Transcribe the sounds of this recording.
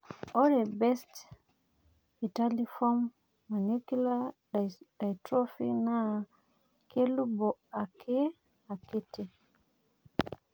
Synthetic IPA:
ʔɔɾɛbɛst | italifɔmː | anukila | dajtɾofḭna | kelubɔakʰɛ | aketi

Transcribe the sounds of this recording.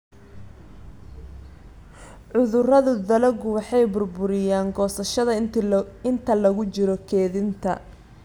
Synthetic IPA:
ʕʊðʊrɐðʊd̪ɐlɐɡʊwɑħɑjbʊrbʊɾɪjaːŋɡɔːsɐʃɐðɐɪnt̪ʰɐlɐɣʊt͡ʃɪɾɔkʰɛːðɪnt̪ʰɐ̰

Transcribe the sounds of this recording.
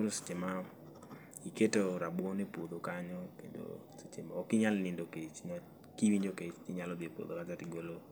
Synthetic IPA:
oɾose̥t͡ʃema | iketoɾabwɔnepod̪okaɲɔkḛndo̰ | set͡ʃemaɔkɪɲalnɪndoket͡ʃɲɔ | kiwiɲd͡ʒoket͡ʃkɪɲalɔd̪epo̰d̪okazatɪɡwelo

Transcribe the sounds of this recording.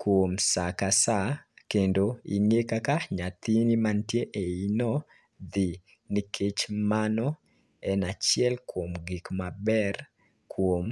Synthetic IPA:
kwomsakasakendoḭŋekakaɲat̪inimantjeʔeinɔ | d̪i | nikʰet͡ʃmanɔ | ɛnat͡ʃjɛlkwomɡikmabɛr | kwom

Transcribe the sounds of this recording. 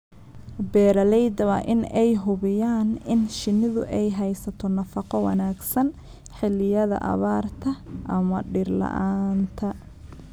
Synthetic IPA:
bɛːɾɐlɛjd̪ɐwɐʔɪnɛjɦʊβɪjaːnɪnʃɪnɪðʊʔɛjɦɛjsɐt̪ʰɔnɐfɑqɔwɑ̰naːɡsɐn | ħɪlɪjɐðɐ̰ʔɐ̰βaːrt̪ʰɐʔɐmɐɖɪrlɐ̰ʔaːnt̪ʰɐ

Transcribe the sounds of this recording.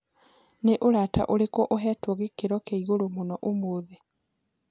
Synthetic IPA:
neʔolata̰ʔolekoʔoɦɛtoɣekeɾɔkeiɣolomonɔʔomoːðe

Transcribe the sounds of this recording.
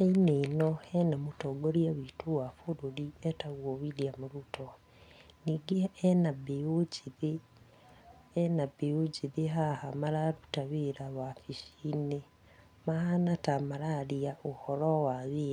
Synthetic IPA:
ainenoenamutoɡoljaβitʰuwafuɾulietaβwoβiljamuɾutʰo | niɡiaenabeuɟiði | enabeuɟiðiɦahamalaɾutaβiɾaβafiʃine | mahanatamalaliaʔuhoɾowaβiːa

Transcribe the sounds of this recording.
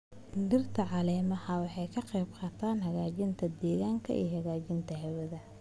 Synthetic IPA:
nd̪ɪrt̪ʰɐʕɑlɛːmɐhɐwɑħɑjkʰɐqɛjbqɑːt̪ʰaːnɦɐɣaːt͡ʃɪnt̪ʰɐd̪ɛːɣaːŋkʰɐ̰ʔḭjhɐɣaːt͡ʃɪnt̪ʰɐɦɛwɐðɐ

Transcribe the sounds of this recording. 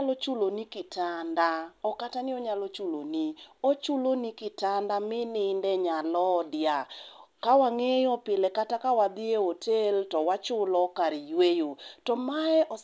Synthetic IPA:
lɔt͡ʃulonikɪtʰandaɔkatanɪɔɲalot͡ʃulo̰niot͡ʃulonikɪtandamɪnɪndɛɲalɔdɪakawaŋejɔpɪlɛkatakawad̪ɪeotʰeltɔwat͡ʃʊlɔkaɾijwejotɔmaɛʔɔ

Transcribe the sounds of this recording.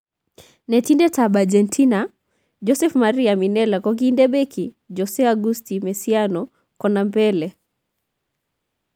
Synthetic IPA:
nɛtindɛtaɓad͡ʒɛntʰina | d͡ʒɔsɛfmaɾiaminɛlakɔɡindɛɓɛki | d͡ʒɔsɛaɡustimɛsianɔ | kɔnambɛlɛ

